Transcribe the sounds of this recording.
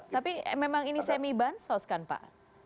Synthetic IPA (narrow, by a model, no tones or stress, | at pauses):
t̪apimemaŋinisajamibansoskanpa̰ʔ